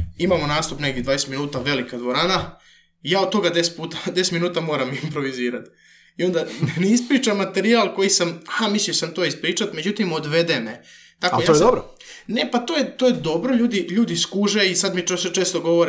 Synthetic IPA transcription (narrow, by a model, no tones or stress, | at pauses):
imamo̞naːst̪upneɡd̪ʲjed̪ʋaːjest̪minuːt̪aʋe̞likad̪ʋoɾaːna | ijaːod̪̚t̪o̞ɡad̪e̞st̪̚puːt̪ad̪ese̥t̪minuːt̪amo̞ːɾamiimpɾo̞ʋiziːɾat̪ | io̞nd̪anneispɾiːt͡ʃamːat̪e̞ɾialko̞jisamxamisiosamt̪oispɾiːt͡ʃat̪me̞d͡ʑut̪imo̞d̪ʋe̞d̪ene | t̪akojaoed̪obɾo | ne̞pat̪o̞ːjet̪ojed̪o̞bɾo̞ʎuːd̪iʎuːd̪iskuʒeisad̪miost͡ʃeːst̪oɡo̞ʋoɾe